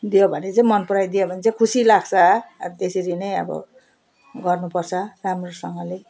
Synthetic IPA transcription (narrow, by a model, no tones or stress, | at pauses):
d̪ijobʱʌnet͡saĩmʌnpuɾajd̪ijobʱʌnet͡sʰãkʰusilaɡt͡sʰʌt̪eseɾinʌjʌ̰bʌ̰ | ɡʌrnupʌrt͡sʰʌramrosʌŋɡʌle